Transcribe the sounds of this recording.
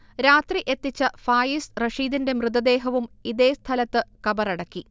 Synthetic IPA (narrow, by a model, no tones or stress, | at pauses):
ɾaːt̪riʔe̞t̪ːit͡ɕːɐfaːjisrɐʂiːd̪inde̞mrɨd̪ɐd̪e̞ːɦɐʋumiðe̞ːst̪ʰɐlɐt̪ːɨkɐbɐrɐɽɐkːi